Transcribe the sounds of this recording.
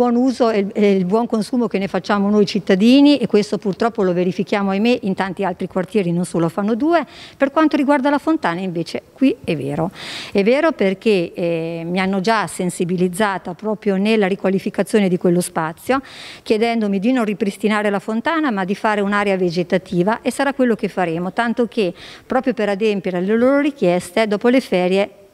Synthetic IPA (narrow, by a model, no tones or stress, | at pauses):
bwɔnuːzoɛɛlbwɔŋkonsuːmokenːefat͡ʃːaːmonojit͡ʃit̪ːad̪iːniʔekːwest̪opurt̪ɾɔpːoloveɾifikjaːmoajmeʔint̪ant̪ialt̪ɾikwart̪jɛːɾinonsoːlofanːod̪uːeperkwant̪oɾiɡward̪alafont̪aːnaiɱveːt͡ʃekwiɛvːeːɾoɛvːeːɾoperkemianːod͡ʒasensibilid̪zːaːt̪apɾɔːpɾjonelːaɾikwalifikat̪sːjoːned̪ikwelːospat̪sːjokjed̪ɛnd̪omid̪inonripɾist̪inaːɾelafont̪aːnamad̪ifaːɾeunaːɾeaved͡ʒet̪at̪ʰiːvaʔesːaɾakːwelːokefːaɾeːmot̪ant̪okepːɾɔːpɾjopeɾad̪ɛmpjeɾeleloːɾoɾikjɛst̪ed̪ɔːpolefɛːɾje